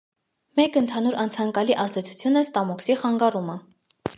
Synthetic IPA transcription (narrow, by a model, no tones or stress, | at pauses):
mɛkənt̪ʰɑnuɾʔɑnt͡sʰɑŋkɑliʔɑzd̪ɛt͡sʰu̥t͡sʰjunəst̪ɑmɔksiχɑŋɡɑrumə